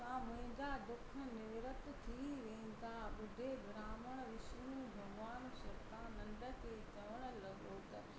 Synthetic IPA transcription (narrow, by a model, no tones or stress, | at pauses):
mãːmʊ̃ɦɪ̃n̆d̪ad̪ʊkʰə̆nɪʋɾət̪t̪ʰiʋeɪ̃nd̪aɓʊd̪ʱebɾaːməɽ̃ʋɪʃjũbʱɐɡʋaːnʃɐɾt̪ãnɐ̃nd̪ə̆t̪ʰet͡ɕɐʋəɽ̃ə̆lɐɠot̪ɐ